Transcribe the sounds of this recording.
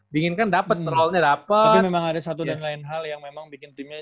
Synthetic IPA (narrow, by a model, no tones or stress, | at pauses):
biŋɪnkandapət̪̚pərɾɔlɲadapəait̪memaŋadasat̪udanlaɪnɦaljaŋmemaŋbikɪnt̪imɲa